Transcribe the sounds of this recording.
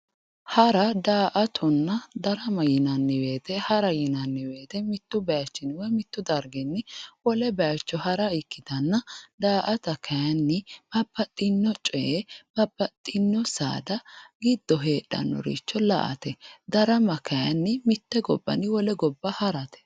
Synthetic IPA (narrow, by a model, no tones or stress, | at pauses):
hɐɾɐd̪aːʔɐt̪ʰɔnːɐd̪ɐɾɐmɐjɪnɐnːɪwe̞ːt̪ɛhɐɾɐjɪnɐnːɪwe̞ːt̪ɛmɪt̪ːʊbɐjat͡ʃːɪnɪwɔmɪt̪ːʊd̪ɐɾɡɛnːɪwɔlɛbɐjɐt͡ʃːɔhɐɾɐɪkːɪd̪ɐnːɐd̪aːʔɐt̪ɐkʰɐjɐnːɪb̥ɐbːɐt̪ʼːɪnːɔt͡ʃʼɛb̥ɐbːɐt̪ʼːɪnːɔsa̰ːd̪ɐɡɪd̪ːɔɦe̞ːɗɐ̰nːɔ̰ɾḭt͡ʃːɔlɐ̰ʔɐ̰t̪ɛd̪ɐɾɐmɐkɐjɐnːɪmɪt̪ːɛɡɔ̰bːɐ̰nːɪwɔlɛɡɔbːɐhɐɾɐt̪ɛ̥